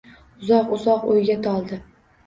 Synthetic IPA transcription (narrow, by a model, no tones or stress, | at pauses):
ʊzɒqʊzɒqojɡʲat̪ʰɒlˠd̪ɪ